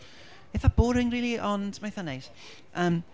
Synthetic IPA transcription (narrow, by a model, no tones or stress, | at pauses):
ɪθab̥oːɾɪŋriːlˠiʔɔndmajθanejs | ʔəːm